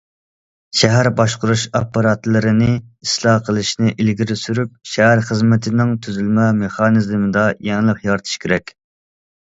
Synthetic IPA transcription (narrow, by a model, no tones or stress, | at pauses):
ʃɛɦæɾbɑʃqʊɾuʃɑpːɑɾɑt̪lˠɨɾɨnɪislˠɑqʰəlˠɨʃnɪʔilɡʲiɾɪsyɾyp̚ʃɛɦæɾχəzmɪt̪ʰɪnɪŋt̪ʰyzylmɛmeχɑnɨzmɨd̪ɑjɛŋlˠəqjɑɾt̪ʰɨ̥ʃkʲʰeɾɛkʲ